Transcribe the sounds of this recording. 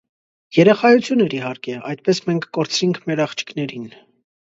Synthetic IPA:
jɛɾɛχɑjut͡sʰjunɛɾiɦɑɾkɛɑjt̪̚pɛsmɛŋkʰkɔɾt͡sʰɾiŋkʰmɛɾɑχt͡ʃʰi̥knɛɾin

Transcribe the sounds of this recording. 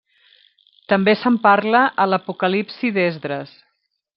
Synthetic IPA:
t̪əmbesəmparləʔələpukəlipsiðezðɾəs

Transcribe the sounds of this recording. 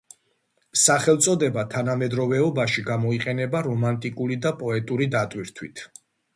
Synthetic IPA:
saχɛlˠt̪sʼɔd̪ɛbat̪ʰanamɛd̪ɾɔvɛɔbaʃiɡamɔiqʼɛnɛbaɾɔmant̪ʼikʼuɾid̪apʼɔɛt̪ʼuɾid̪at̪ʼwiɾt̪ʰwit̪ʰ

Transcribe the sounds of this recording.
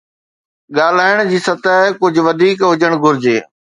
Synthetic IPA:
ɠaːl̤aːɪɽ̃d͡ʑiːsɐt̪aːɦkʊd͡ʑʱʊʋɐd̪ʱiːkɦʊd͡ʑəɽ̃ɡʱʊɾd͡ʑeː

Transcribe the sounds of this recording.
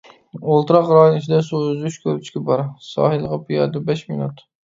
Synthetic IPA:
olˠt̪ɨɾɑqɾɑːjunɪt͡ʃʰid̪ɛsuøzyt͡ʃkʲʰøɾt͡ʃʰkʲɛbɑɾsɑ̰ːhɨlˠəʁɑpʰijɑ̰d̪ɛbɛʃminṵt̪

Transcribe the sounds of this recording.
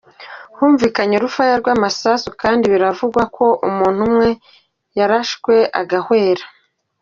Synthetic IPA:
huːɱviːkaɲoɾufajaɾɡwaːmasasukaːndiβiɾavuɡwakʰo̞ʔumuːn̥humŋe̞ | jaɾaʃkwe̞ʔa̰ɡahwe̞ːɾa

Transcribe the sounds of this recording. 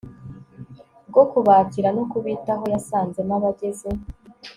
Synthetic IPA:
b̚ɡo̞kuβaːtiɾano̞kuβitaɦo̞jasaːnze̞naβaɟe̞ze̞

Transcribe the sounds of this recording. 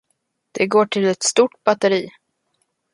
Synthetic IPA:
d̪̥ɛɡoːʈʰɪlɛt̪st̪uʈ̚bat̪ɛɾiː

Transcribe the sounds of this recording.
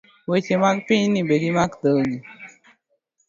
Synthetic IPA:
wot͡ʃemakpĩnibed̪imakd̪əɡi

